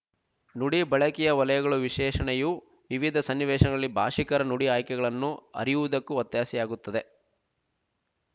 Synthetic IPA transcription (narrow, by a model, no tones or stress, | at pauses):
nuɽibɐɭɐkijɐʋɐlɐjɐɡɐɭuʋiʂɛːʂɐɳɛju | ʋiʋid̪ʱɐsɐnːiʋɛːʂɐnɐɡɐɐɭːibʱa̰ːʂikɐɾɐnuɽiaːjkɛɡɐɭɐnːuɐ̰ɾijuʋud̪ɐkːuɐt̪jaːsijaːɡut̪ːɐd̪e